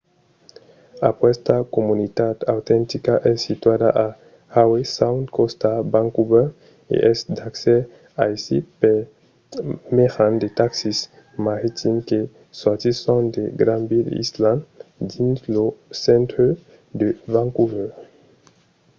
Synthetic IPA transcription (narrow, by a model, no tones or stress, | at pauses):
a̰pwɛst̪akomunit̪ad̪awt̪ɛ̃nt̪ikaʔɛsit̪wad̪aʔa | hawesawnt̪kost̪abãŋkubɛʁ | ḛʔɛsd̪aksɛ | aisḭpe | meʁãnd̪et̪aksis | maʁit̪ʰimke | sɔʁt̪isɔ̃nd̪eɡɾãnbilḭslãnd̪ĩnslosɛ̃nt̪ɾø | d̪evãŋkubɛ